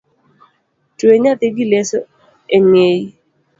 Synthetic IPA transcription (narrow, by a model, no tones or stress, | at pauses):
tweɲat̪ɪɡɪleso | eŋej